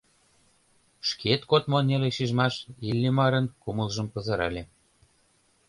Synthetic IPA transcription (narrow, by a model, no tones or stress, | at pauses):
ʃket̪kot̪moneleʃiʒmɑʃilʲːemɑɾɤ̆nkuməlʒəmpəzɤɾɑ̰lʲe